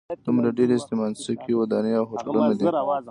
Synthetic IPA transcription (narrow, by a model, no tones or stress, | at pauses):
d̪̥umɾaɖeɾest̪emansakiwad̪ɑneawxoɾlunad̪i